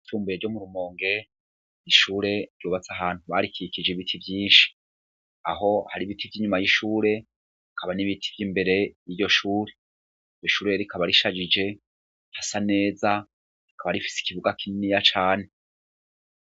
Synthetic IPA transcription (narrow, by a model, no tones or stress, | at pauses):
ituːmbujeɾɟomuɾumo̞ːŋɡe̞ | niʃuːɾe̞ɾɟuβat͡saɦaːn̥huβaɾikikid͡ʒeβitʰibjiːnʃi̥ | a̰ɦo̞haɾiβitʰivjiːɲumajiʃuːɾe̞ | ikʰaβaniβitʰi̥vjiːmbe̞ɾe̞jijo̞ʃuːɾe | joʃuːɾeɾikʰaβaɾiʃad͡ʒid͡ʒe̞ | hasane̞ːza | ɾikʰaβaɾifi̥si̥kiβuɡakininijat͡ʃaːne̞